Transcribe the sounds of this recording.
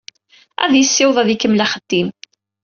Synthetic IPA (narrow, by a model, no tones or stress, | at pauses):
æ̰ðjəsːɪwðˤæðikəmːlæχəd̪̥ːim